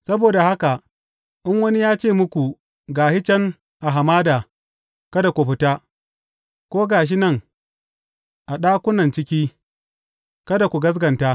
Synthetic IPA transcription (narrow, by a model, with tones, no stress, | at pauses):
sɐ˦boː˨da˨ha˦ka˨ | ʔɪ˦ŋwɐ˦ni˦jaː˦t͡ʃeː˦˨mʊ˦kʷu˨ | ɡaː˨hɪ˦t͡ʃɛ˦ŋ | ʔa˨ɦa˨maː˦daː˨ | kɐ˦da˨kʷu˨ɸɪ˦taː˦ | kʷoː˦ɡaː˨ʃ̬i˦nɐ˦˨ŋ | ʔa˨ɗaː˦kʷʊ˦nɐ˨nt͡ʃɪ˦kʲiː˦ | kɐ˦da˨kʷu˨ɡɐ˦s̬ɡɐ˨ntaː˦